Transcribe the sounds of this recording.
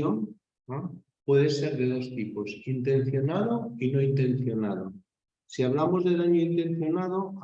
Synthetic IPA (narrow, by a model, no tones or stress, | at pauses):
on | a | pwe̞ðese̞ɾðe̞ðo̞st̪iposint̪ẽ̞n̟θjo̞naðoino̞int̪e̞n̟θjo̞naðo | siaβ̞lamo̞zðe̞ðaɲoint̪ẽ̞n̟θjo̞nað̞o